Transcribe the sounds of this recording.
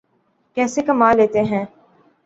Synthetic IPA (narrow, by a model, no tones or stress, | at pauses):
kɛːsekɐmaːleːt̪eɦɛ̃ː